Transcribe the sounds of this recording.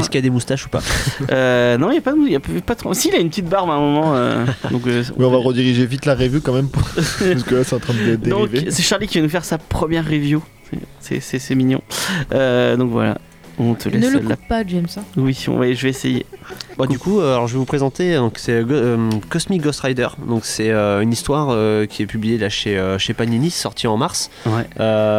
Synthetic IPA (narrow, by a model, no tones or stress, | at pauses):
ɛskijad̪emust̪aʃu̥pa̰ønɔ̃iljapad̪əmuiljappad̪ət̪χɔsiːlaynpət̪it̪̚baʁmɛ̃ɛ̃mɔmɑ̃ø̰d̪ɔ̃kø̰̃mɛɔ̃vaʁəd̪iʁiʒevit̪laʁevjukɑ̃mɛmpuskəlasɛt̪ɑ̃t̪χɛ̃d̪d̪ed̪ɔ̃vesɛʃaʁlikʲivanufɛʁsapχəmjɛʁːevju | sɛ̰sɛ̰sɛsɛminjɔ̰̃ød̪ɔ̃kvwa̰la̰ | ɔ̃t̪ʰəlɛnlapaɛmsawisɔ̰̃wɛʒəvɛesejḛbad̪ykʰuøalɔʁʒəvɛvupχezɑ̃t̪ed̪ɔ̃ksɛøkɔsmiɡɔst̪ʁajd̪œ̰ʁd̪ɔ̃ksɛøynist̪waʁøkʲʰiɛpyblijelaʃeøʃepaninisɔʁt̪ʰiɑ̃maʁs | wɛø